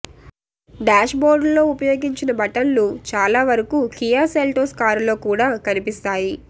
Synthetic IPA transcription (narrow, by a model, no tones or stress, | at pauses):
ɖaːʃboːɾɖllo̞ːupɐjo̞ːɡiɲt͡ʃinɐbɐʈɐnlut͡ʃaːlaːʋɐɾɐkukijaːseːlʈoːskaːɾlo̞ːkuːɽaːkɐnipist̪aːji